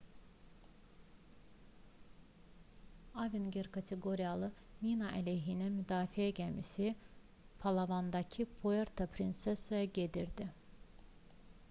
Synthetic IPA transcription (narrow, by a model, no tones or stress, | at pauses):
avinɡeɾkʰɑt̪ʰeɡoɾijalˠɯ | minɑʔæleɦinimyd̪ɑːfiæɟæmisi | pʰɑlˠavɑnd̪ɑcʰipʰoeɾt̪ʰapʰɾinsesɑjɑɟed̪iɾd̪i